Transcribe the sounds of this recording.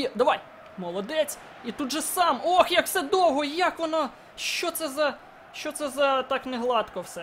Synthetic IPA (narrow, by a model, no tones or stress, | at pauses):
ɛd̪ɐʋɑj | mɔlˠɔd̪ɛt͡sʲ | it̪ud̪ʒɛsɑmoxjɐksɛd̪ɔwɦɔijakʋɔnɔ | ʃt͡ʃɔt̪sɛzɐ | ʃt͡ʃɔt̪sɛzɐt̪ɑkneɦlˠɑt̪kɔwsɛ